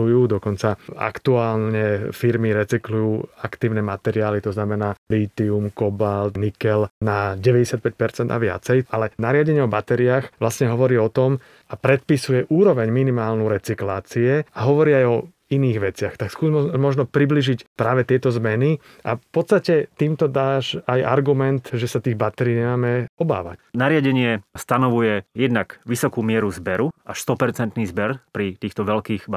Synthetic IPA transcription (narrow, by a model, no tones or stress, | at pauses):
ujuːd̪ɔkɔnt͡saa̰kt̪uaːlɲɛfiɾmiɾɛt͡siklujuːakt̪iːʊnɛmat̪ɛɾiaːlit̪ɔznamɛnaːliːt̪iumkɔbald̪nikɛlnaɟɛʋɛɟɛsat̪̚pɛc̚pɛɾt͡sɛnd̪a̰ʋɪa̰t͡sɛjalɛnaɾɪaɟɛɲɛɔbat̪ɛɾiaːxʋlasɲɛɦɔʋɔɾiːɔt̪ɔm | apɾɛt̪̚pisujɛʔuːɾɔʋɛɲminimaːlnuɾɛt͡siklaːt͡siɛaɦɔʋɔɾiːajɔ | iniːɣʋɛt͡sɪaxt̪akskuːzmɔʒnɔpɾibliʒicpɾaːʋɛt̪ɪɛt̪ɔzmɛni | ʔa̰fpɔt̪st̪acɛt̪iːmt̪ɔd̪aːʒaja̰ɾɡumɛnt̪ʒɛsat̪iːɣbat̪ɛɾiːɲɛmaːmɛɔba̰ːʋa̰cnaɾɪaɟɛɲɪɛst̪anɔʋujɛjɛd̪nakʋisɔkuːmɪɛɾuzbɛɾuʔaʃst̪ɔpɛɾt͡sɛnt̪niːzbɛɾpɾit̪iːxt̪ɔʋɛlkiːɣba